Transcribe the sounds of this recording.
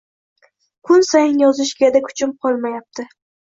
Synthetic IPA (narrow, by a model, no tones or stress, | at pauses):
kʰʊnsajɪnjɒzɪʃɡʲad̪akʰʊ̥t͡ʃʰɪmqʰɒlˠmajap̚t̪ʰɪ